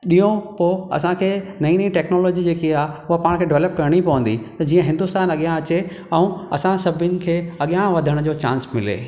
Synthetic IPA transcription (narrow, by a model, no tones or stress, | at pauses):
ɗijõpoːɐ̰sãkʰeːnɐĩnɐĩʈɛːknoːloːd͡ʑid͡ʑeːkʰiaːʊɦapaːɽ̃kʰeːɖɪʋləp̚kɐɾəɽ̃ipɐʋə̃n̆d̪it̪ɐd͡ʑiːə̃ɦɪ̃nd̪ʊst̪aːnɐɠjãɐt͡ɕe | ɛ̃ũɐ̰sãsɐbʱɪnɪ̆kʰeːɐɠijãʋɐd̪ʱəɽ̃d͡ʑoːt͡ɕã̰ːnsmɪlḛː